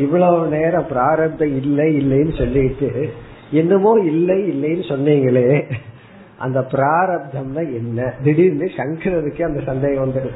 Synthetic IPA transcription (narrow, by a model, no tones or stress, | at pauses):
ɪʋɐɭoːneːɾɐ̃pɪɾaːɾɐb̚d̪ʱɐ̃ɪlːɐɪlːɐjnːɯsɔlːɪɪʈːɯ | ɛnːɯmoːɪlːɐɪlːɐjnːɯsɔnːiːŋɡɐɭeː | ʔɐ̰nd̪ɐpɪɾaːɾɐb̚d̪ʱɐmnãːɛnːɐd̪ɪɽiɾnd̪ɯʂɐŋkɪɾɐðɯkːɯɐnd̪ɐsɐnd̪eːɣɐ̃ʋɐnd̪ɯɾɯ